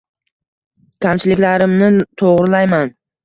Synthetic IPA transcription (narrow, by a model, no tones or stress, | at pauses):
kʲʰamt͡ʃʰɪlɪkʲlaɾɪmnɪt̪ʰoʁɾɪlajman